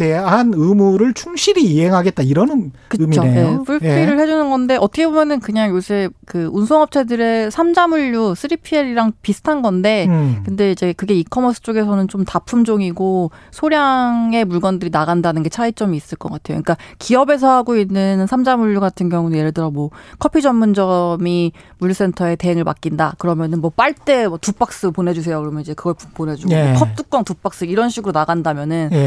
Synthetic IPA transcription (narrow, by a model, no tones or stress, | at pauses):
teɦanɯmuɾɯɭt͡ɕʰuŋɕʰiɾiːɦe̞ŋɦaɡet̚t͈aiɾʌnɯnkɯɯmit͡ɕʰoejeopʰuɭiɾɯɭhe̞d͡ʑunɯnɡʌnde̞ʔʌtʰʌkʰebomjʌnɯnkɯɲaŋjosʰeɭkɯunsʰʌŋʌp̚t͡ɕʰe̞dɯɾe̞sʰamd͡ʑamuʎːus͈ʰɯɾipʰieɾiɾaŋpisʰɯ̥tʰanɡʌnde̞kɯnde̞id͡ʑe̞kɯɡe̞ikʰʌmʌs͈ʰɯ̥t͡ɕ͈oɡe̞s̬ʰʌnɯnt͡ɕomtapʰumd͡ʑoŋiɡo | sʰoɾjaŋe̞muɭɡʌndɯɾinaɣandanɯnɡe̞t͡ɕʰait͡ɕ͈ʌmiːs͈ɯɭk͈ʌk͈atʰe̞jo̰ɲik͈akiʌbe̞s̬ʰʌɦaɡoinːɯnsʰamd͡ʑamuɭːuɡatʰɯnɡjʌŋunejeɾɯɭt͈ɯɾʌmwʌkʰʌpʰid͡ʑʌmːund͡ʑʌmimuɭːus͈e̞ntʰʌe̞te̞ɦeŋɯɭpak͈indakɯɾʌmjʌnɯnmwʌp͈aɭt͈e̞mʌtup͈ak̚s͈ɯpone̞d͡ʑus̬ʰe̞jokɯɾʌmjʌnid͡ʑe̞kɯɡʌɭpone̞d͡ʑuɡokʰʌp̚t͈uk͈ʌŋtup͈ak̚s͈ɯiɾʌnɕʰiɡɯɾonaɡandamjʌnɯn